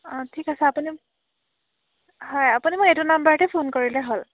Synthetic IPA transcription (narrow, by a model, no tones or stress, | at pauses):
ɔtʰikasɛapuni | hɔjapunimʊketunambaɹtɛpʰonkoɹilɛɦol